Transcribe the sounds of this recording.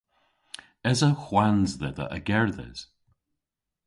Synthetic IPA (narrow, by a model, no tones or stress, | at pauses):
ɛzəxwanzðɛðə̰ʔəɡɛɹðɛ̰z̥